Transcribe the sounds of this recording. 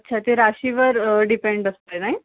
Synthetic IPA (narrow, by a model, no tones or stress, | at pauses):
ətːɕʰat̪eɾaɕiʋəɾɖipeɳɖəst̪enaɦi